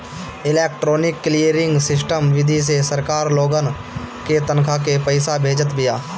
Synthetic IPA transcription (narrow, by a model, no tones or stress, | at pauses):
ɪleːk̚ʈɾoːnɪkːlijəɾɪ̃ŋɡsɪs̬ʈəmʋɪd̪ʱis̬esəɾkaːɾloːɡən | ket̪ənkʰak̬epəɪsabʱeːd͡ʒət̪bɪjaː